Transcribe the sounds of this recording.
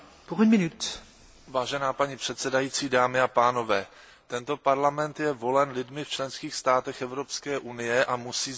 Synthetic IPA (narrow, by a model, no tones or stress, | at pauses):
poʁmɪnut̪ | vaːʒɛnaːpaɲipr̥ɛt̪sɛdajiːt͡siːdaːmɪapaːno̞vɛː | t̪ɛnt̪o̞paɾlamɛnt̪jɛvo̞lɛnlɪdmɪft͡ʃlɛnskiːxst̪aːt̪ɛxɛvɾo̞pskɛːʔunɪjɛʔamusiː